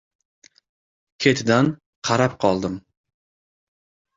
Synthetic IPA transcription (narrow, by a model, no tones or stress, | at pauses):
kʲʰet̪ʰɪd̪an | qʰɑɾapqʰɒlˠd̪ɪm